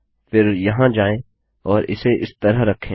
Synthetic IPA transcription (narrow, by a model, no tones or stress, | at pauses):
fɪɾjɐɦãd͡ʒaːẽ | ɔːɾɪ̰seʔɪst̪ɐɾəɦɾɐkʰːẽː